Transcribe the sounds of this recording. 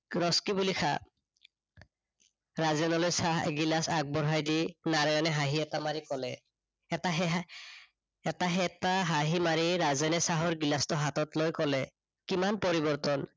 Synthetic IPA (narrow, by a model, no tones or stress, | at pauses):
ɹɔskibulikʰa̰ | ɹazɛnɔlojsaɦɡilasak̚bɔɹɦajdinaɹɔanɛɦaɦiɛtamaɹikɔlɛː | taɦɛ | ɛtaɦɛtaɦaɦimaɹiɹazɛnɛsaɦɔɹɡilastɔɦatɔtlojkɔlɛ | kimanpɔɹibɔɹtɔn